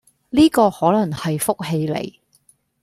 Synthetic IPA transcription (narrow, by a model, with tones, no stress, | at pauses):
liː˥kɔː˧hɔː˨˥lɐ˨˩ŋhɐ˨jfʊ˥k̚ɦe˧jlḛ˨˩j